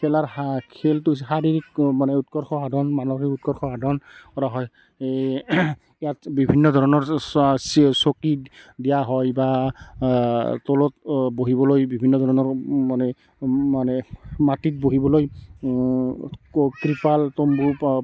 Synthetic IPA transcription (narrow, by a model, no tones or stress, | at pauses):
kʰɛlaɹakʰeltus̬xaɾiɹikmanɛutkɔɹxʰɔɦadɔnmanɔkikutkɔɹxɔadʱɔnkɔɾaɦɔj | ɛjatbibʱinːɔdʱɔɹɔnɔɹssokidijaɦɔjba | tɔlɔt̚boɦibɔlojbibʱinːɔdʱɔɹɔnɔɹmanɛ | manɛmatit̚boɦibɔloj | kɹipaltombu